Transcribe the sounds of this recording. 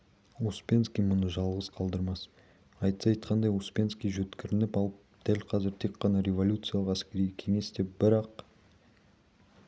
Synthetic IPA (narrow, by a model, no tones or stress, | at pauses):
uspʲe̞nskʲijmʊnəʒɑlˠʁəzqʰɑlˠd̪əɾmɑs | ɑjt̪sɑjt̪qʰɑnd̪ɑjuspʲe̞nskʲijʒɵt̪kʲɪɾɪnɪpɑlˠəp̚d̪̥ælqʰɑzɪɾt̪ʰe̞kqːɑnɑɾe̞vo̞lʲut̪sɨjalˠəqæskʲe̞ɾijkʲʰe̞ŋe̞sd̪e̞p̚bɪɾɑq